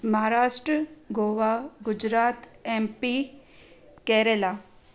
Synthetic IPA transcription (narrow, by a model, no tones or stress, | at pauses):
mɐɦaːɾaːʃʈɾəɡoːʋaɡʊd͡ʒɾaːt̪eːmpi | kɛːɾela